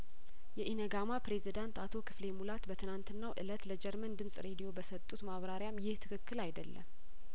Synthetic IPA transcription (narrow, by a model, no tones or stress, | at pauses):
jɛʔinəɡamapɾe̞zid̪ant̪at̪ʰo̞kʰɨ̥fle̞mulat̪bət̪ʰɨnant̪ɨnːawʔɨ̰lət̪ləd͡ʒɛɾmənd̪ɨmsʼɾe̞d̪ijo̞bəsət̪ʼːut̪maβɾaɾjamjɪht̪ʰɨkʰɨkːɨlajd̪əlːə̰m